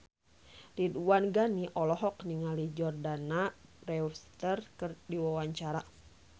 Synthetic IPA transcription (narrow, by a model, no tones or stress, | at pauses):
diduwanɡaniʔɔlɔɦɔkniŋalid͡ʒɔrdanarɛust̪ərkɨrdiwawaɲt͡ʃaɾa